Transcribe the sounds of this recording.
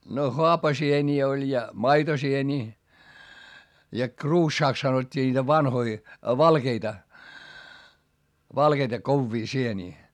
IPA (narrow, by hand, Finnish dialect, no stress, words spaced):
no hoɑpɑsienʲiː olʲ jɑ mɑitosienʲiː jɑ kruːʃːɑːks sɑnotʲːiː nʲiːtæ ʋɑnhoi ʋɑlkeitɑ ʋɑlkeitɑ koʋːiː sieniː